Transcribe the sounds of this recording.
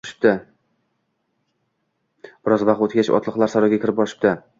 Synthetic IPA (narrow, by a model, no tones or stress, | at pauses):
ʃɪ̥p̚t̪ɪ | b̥ɪɾɒzvaq̚t̪ot̪ɡʲat͡ʃʰɒ̰t̪ʰlˠɨqlˠaɾsaɾɒɡʲakʲʰɪɾɪp̚bɒɾɪʃɪ̥p̚t̪ɪ